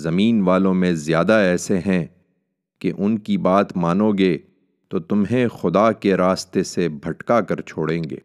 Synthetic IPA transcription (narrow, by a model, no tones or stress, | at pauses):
zɐmiːnʋaːlõmẽzjaːd̪aɛːseɦɛ̃ | keʔʊnkibaːt̪maːnoːɡe | t̪oːt̪ʊmɦẽxʊd̪aːkeɾaːst̪esebʱɐʈkakɐɾt͡ʃʰoːɽẽːŋɡḛː